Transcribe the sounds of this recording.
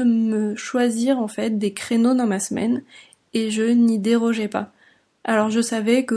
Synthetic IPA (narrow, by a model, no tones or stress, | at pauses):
əməʃwaziʁɑ̃fɛt̪̚d̪ekχenod̪ɑ̃masmɛ̰n | eʒənid̪eʁɔʒɛpa̰ | alɔʁʒəsavɛkə